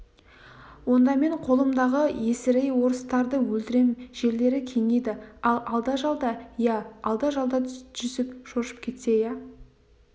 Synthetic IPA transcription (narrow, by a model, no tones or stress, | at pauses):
wo̞nd̪ɑme̞ɴqʰo̞lˠəmd̪ɑʁəje̞sɪɾejwo̞ɾəst̪ɑɾd̪əwɵlt̪ɪɾe̞mʒ̥e̞ɾd̪e̞ɾɪkʲʰe̞ŋed̪ɪɑlˠɑlˠd̪ɑʒɑlˠd̪ɑjɑːlˠd̪ɑʒɑlˠd̪ɑʒ̥ʏsɪpʃoʃə̥p̚kʲʰe̞t̪se̞jæ